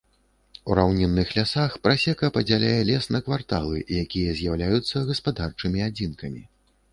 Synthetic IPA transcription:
uɾawnʲɛnːɨxlʲasaxpɾasʲɛkɐpɐd͡zʲalʲajɛlʲɛsnɐkvart̪alˠɨ̰jakʲijɐzʲjawlʲajut̪sːɐɣɐspad̪art͡ʂɨmʲiad͡zʲinkɐmʲḭ

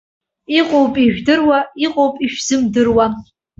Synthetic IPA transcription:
iqʼowpʼiʒᶣdɨrwaiqʼowpʼiʃᶣz̥ɨmdɨrwa

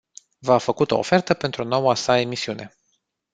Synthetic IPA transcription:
vafəkut̪o̞̰ːfe̞rt̪əpe̞nt̪ɾuno̞wasae̞misiune̞̰

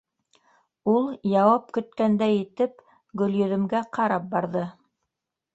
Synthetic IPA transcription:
ulˠjɑwɑp̚kɵ̆t̪̚kænd̪æjĭt̪ɘp̚ | ɡɵ̆ljɵ̆ðɘ̆mɡæqɑɾɑp̚bɑɾðɤ

